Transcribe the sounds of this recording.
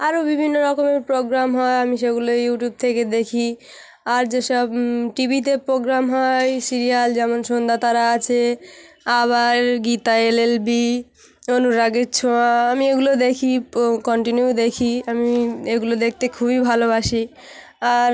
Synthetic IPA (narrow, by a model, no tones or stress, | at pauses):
aɾobibʱinːoɾɔkomeɾpɾoɡɾamɦɔeamiʃeɡulojuʈjub̚t̪ʰeked̪ekʰi | aɾd͡ʑeʃɔbʈibʱit̪̬epɾoɡɾamɦɔjsiɾijald͡ʑɛmonʃond̪at̪aɾaat͡ɕʰe | aβaɾɡit̪aelelbi | onuɾaɡet͡ɕʰoamieɡulod̪ekʰikɔɳʈinjud̪ekʰiamieɡulod̪ek̚ʰt̪ekʰubibʱalobaʃi | aɾ